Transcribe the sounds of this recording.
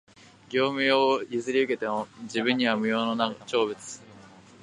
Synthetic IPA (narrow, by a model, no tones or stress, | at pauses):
ɡʲo̞ːmɯ̟joːizɨɾʲiɯ̟ke̞t̪e̞mod͡ʑibɯ̃ɲ̟ːiβamɯ̟jo̞ːno̞nat͡ɕo̞ːβɯ̟t͡sɨ̥